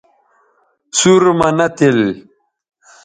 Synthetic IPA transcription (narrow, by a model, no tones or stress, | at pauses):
suɾmanat̪el